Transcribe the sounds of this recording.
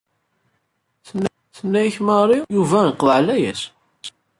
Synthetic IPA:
θnː | θənːæjçmɑɾˤijuvæiqðʕlæjæs

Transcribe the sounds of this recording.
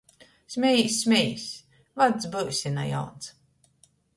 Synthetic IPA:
sʲmʲɛjsʲmʲɛjsʲ | vad̪sbɨwsʲina̰ja̰wns

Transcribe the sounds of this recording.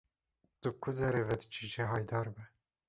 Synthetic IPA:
d̪̥ɨb̚kʰud̪ɛɾeːvɛd̪̥t͡ʃʰiʒeɦɑːjd̪ɑːɾbɛ

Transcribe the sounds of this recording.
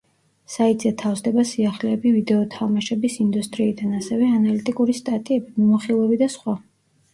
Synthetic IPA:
sait̪ʼzɛt̪ʰafzd̪ɛbasiaχlɛːbivid̪ɛɔt̪ʰamaʃɛbisind̪ust̪ʼɾiːd̪anasɛvɛanalit̪ʼikʼuɾist̪ʼat̪ʼiɛbimimɔχilˠɛbid̪asχwa

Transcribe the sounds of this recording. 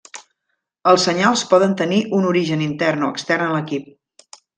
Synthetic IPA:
əlˠsːəɲalˠspɔðənt̪əniʔunuɾiʒənint̪ɛrnoə̰kst̪ɛrnələkip̚

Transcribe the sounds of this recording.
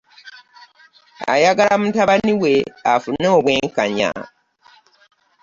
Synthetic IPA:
a̰jaɡalamutaβaniweafunːeoβweːŋkaɲa̰

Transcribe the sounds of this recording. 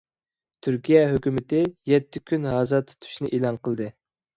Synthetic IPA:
t̪ʰyɾkʲijɛɦøkʲymɪt̪ɪjɛt̪ʰːɪkʲʰynɦɑːzɑt̪ʰːt̪ʰːy̥ʃnɪʔelˠɑnqʰəlˠd̪ɨ

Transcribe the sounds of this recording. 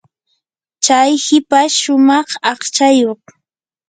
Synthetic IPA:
t͡ʃajhɪpaʃʊmɑχɑχt͡ʃajoχ

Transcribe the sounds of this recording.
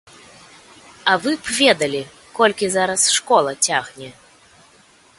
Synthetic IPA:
ɐvɨpvʲɛd̪ɐlʲi | kɔlʲkʲizaɾɐsʂkɔlˠɐt͡sʲaɣnʲɛ

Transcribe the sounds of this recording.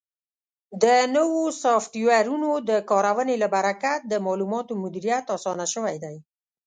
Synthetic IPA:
d̪ənəwosɑfʈiwaɾunod̪əkɑɾawənelabaɾakat̪̚d̪əmɑlumɑt̪omʊd̪iɾijat̪ɑsɑnaʃəwajd̪aj

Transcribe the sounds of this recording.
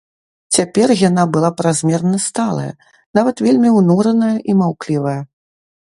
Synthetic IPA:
t͡sʲapʲɛrjanabɨlˠapɾazʲmʲɛrnɐst̪alˠɐ̰jɐ̰ | navɐt̪vʲelʲmʲiwnuɾɐnɐjɐʔimawklʲivɐjɐ

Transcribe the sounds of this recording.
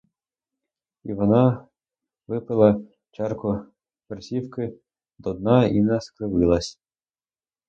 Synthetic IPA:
iʋɔnɑ | ʋɪpɪlˠɐ | t͡ʃɑrkʊ | persʲiwkɪ | d̪ɔd̪nɑinɛskɾɪʋɪlˠɐsʲ

